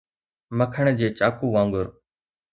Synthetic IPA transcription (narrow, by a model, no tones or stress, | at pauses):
məkʰəɳd͡ʑeːt͡ʃaːkuːʋãːŋɡʊɾ